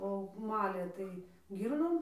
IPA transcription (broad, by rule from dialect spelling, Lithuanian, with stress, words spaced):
oː ˈmɑːlʲeː ˈtɐɪ ˈɡʲiːrnoːm